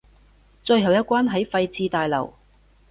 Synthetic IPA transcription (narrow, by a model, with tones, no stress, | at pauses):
t͡sɵ˧ɥɦɐ˨˩wjɐ˥t̚kwaː˥nɦɐ˨˥jfɐ˧jt͡siː˧t̪aː˨jlɐ̰˨˩w